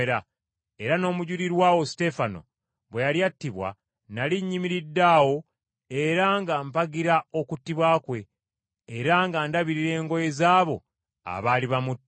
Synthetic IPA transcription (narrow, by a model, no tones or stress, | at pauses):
ɾa | eɾano̞ːmuɟuɾiɾwaːwo̞si̥te̞fano̞̰ | βwe̞jaljatːiβwa̰ | naliɲːimiɾidːaːwo̞ | e̞ɾaŋɡampaɡiɾao̞kutːiβwaːkwe̞ː | ɾaŋɡaːndaβiɾiɾe̞ːŋɡo̞je̞zaːβo̞̰ | a̰βaːliβamutː